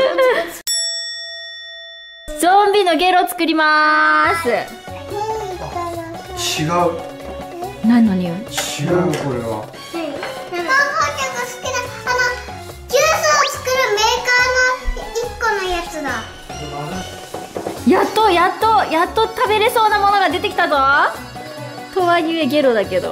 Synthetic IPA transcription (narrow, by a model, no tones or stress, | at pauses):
zõmbʲino̞ɡe̞ɾot͡sɨ̥kɯ̟ɾʲimasɨ | t͡ɕiɡaɯ | nainoɲ̟iot͡ɕiɡakoɾḛβa̰ | akokʲaksɨ̥kʲinaano | ɡʲɯːsɨot͡sɨ̥kɯ̟ɾɯ̟me̞ːkaːnoikːo̞nojat͡sɨd̪a | jat̪ːo̞jat̪ːo̞jat̪ːo̞t̪abe̞ɾe̞so̞ːnamo̞no̞ɡad̪e̞t̪e̞kʲi̥t̪azo | t̪o̞βajɯ̟e̞ɡʲe̞ɾo̞d̪ake̞d̪o̞̰